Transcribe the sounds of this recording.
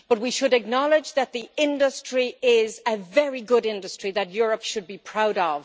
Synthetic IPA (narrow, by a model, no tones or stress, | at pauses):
b̥ʌt̚wiʃɨɾɨk̚nɑlˠɪd͡ʒðɨt̪̚ðiɪ̃ndəstɹ̥iɪzɨvɛɹiɡʊɾɪ̃ndəstɹ̥iðɨt̚jʊɹəpʃɨd̚bipʰɹ̥aʊɾəv̥